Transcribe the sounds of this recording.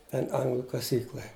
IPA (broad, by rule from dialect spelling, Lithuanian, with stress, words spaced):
ˈtʲɛn ˈɐŋɡlˠʊ kɐˈsʲiːklˠɐ